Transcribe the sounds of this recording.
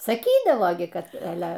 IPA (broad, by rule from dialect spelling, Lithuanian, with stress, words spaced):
sɐˈkʲiːdɐʋoː ˈɡʲɪ ˈkɐt ɐˈlʲɛ